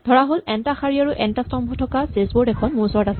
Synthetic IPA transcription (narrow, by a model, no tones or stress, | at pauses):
d̪ʱɔɹaɦolɛntaxaɹiaɹuʔɛntastɔmbʱɔtʰɔkasesbɔdɛkʰɔnmuɹsɔɹtas